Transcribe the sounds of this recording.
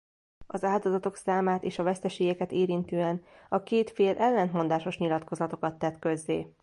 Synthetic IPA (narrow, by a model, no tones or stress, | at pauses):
ɒzaːld̪o̞zɒt̪o̞ksaːmaːt̪eːʃɒvɛst̪ɛʃeːɡɛkɛt̪eːɾint̪yːɛnɒkeːt̪feːlʔɛlːɛnt̪mo̞nd̪aːʃo̞ʃɲilɒt̪ko̞zɒt̪o̞kɒt̪ːɛt̪kø̞zːeː